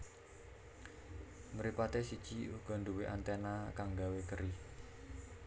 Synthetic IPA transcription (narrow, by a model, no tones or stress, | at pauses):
məɾipat̪esid̥ʒ̥iuɡ̥ɔ̤nd̪uweʔant̪ɛnakaŋɡawekəɾi